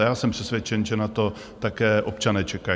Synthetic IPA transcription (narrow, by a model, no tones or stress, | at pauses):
jaːsɛmpr̥ɛsvʲjɛt͡ʃɛnʒɛnat̪o̞ | t̪akɛːʔop̚t͡ʃanɛːt͡ʃɛka